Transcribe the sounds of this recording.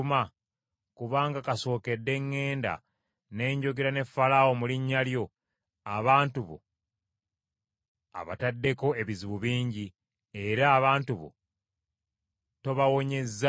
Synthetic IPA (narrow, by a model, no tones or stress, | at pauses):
ma | kuβaːŋɡakaso̞ːke̞dːe̞ŋːe̞ːnda̰ | ne̞ːɲɟo̞ɡeɾane̞fːalawo̞muliɲːaljo̞ | aβaːntuβo̞̰ | a̰βa̰tadːe̞ko̞e̞βiziβuβiːɲɟi | e̞ɾaːβaːntuβo̞̰ | to̞βawo̞ɲe̞zːa